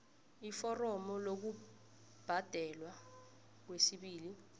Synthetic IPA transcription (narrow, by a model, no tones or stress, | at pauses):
ifɔrɔmɔlok̬u | b̥ʱad̥ʱɛlwa | k̬wesiɓiːli